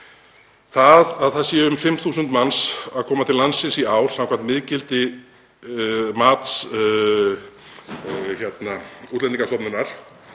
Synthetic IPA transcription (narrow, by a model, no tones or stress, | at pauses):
θaðaðθaðsjɛʏʏmfɪmθuːsʏnt̪mansaðkʰɔːmat̪ʰɪlːansɪnsiaːwɾ̥sãmkʰvam̥t̪mɪðcɪlt̪ɪ | maːt̪s | çɛt̪nauːt̪lɛniŋkast̪ɔpnʏnaɾ̥